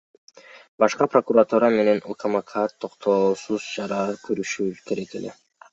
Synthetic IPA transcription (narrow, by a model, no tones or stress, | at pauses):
bɑʃqɑpro̞kuɾat̪uɾɑme̞ne̞nukʰamakʰat̪ʰːo̞qt̪ʰosuzd͡ʒɑɾɑkʰyɾyʃyːt̪ʰeɾet̪ḛle